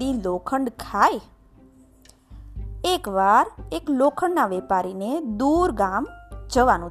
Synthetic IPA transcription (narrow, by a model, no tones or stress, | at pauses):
ilokʰəɳɖkʰaj | ekʋaɾeklokʰəɳɖnaʋɛpaɾined̪uɾɡamd͡ʒəʋanũ